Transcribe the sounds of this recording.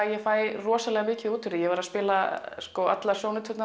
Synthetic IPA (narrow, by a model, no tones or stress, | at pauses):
jɛfaːjrɔːsalɛɣamɪːcɪðuːt̪fʏɾɪjɛvaɾaspɪːlaskɔa̰t̪lḁsjoːwnʏt̪ʰʏt̪na